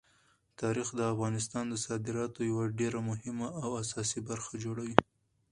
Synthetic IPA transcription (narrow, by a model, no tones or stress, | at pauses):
t̪ɑɾixd̪əafɣɑnɪst̪ɑnd̪əsɑd̪ɪɾɑt̪ojawaɖeɾamʊɦɪmaːwasɑsibaɾxad͡ʒoɽawi